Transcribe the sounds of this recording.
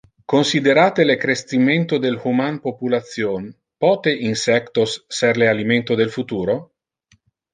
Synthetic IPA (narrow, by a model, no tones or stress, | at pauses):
konsid̪eɾaːt̪elekɾest̪iment̪od̪elhumanpopulat̪sjon | pɔːt̪eʔinsɛkt̪osːɛrlealiment̪od̪elfut̪uːɾo